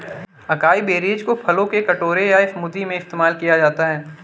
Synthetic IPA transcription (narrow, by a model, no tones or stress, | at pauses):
ɐkaːibeːɾeːd͡ʒkopʰɐlõkekɐʈoːɾejaɪfmʊd̪ːimẽɪst̪emaːlkijad͡ʒaːt̪aɦɛː